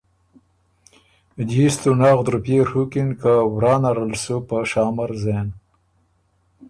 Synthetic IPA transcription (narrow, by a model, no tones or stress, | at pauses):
d̪ist̪unɑːɣd̪ɾupeɾhukinkawɾɑːnaɾəlsupəʃɑːmaɾzen